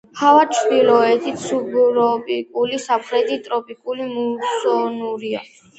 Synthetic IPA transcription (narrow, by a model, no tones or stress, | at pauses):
havat͡ʃʰɾd̪ilɔɛt̪ʰit̪sʰubɾɔpʼikʼulisapʰɾɛd̪it̪ʼɾɔpʼikʼulimusɔnuɾia̰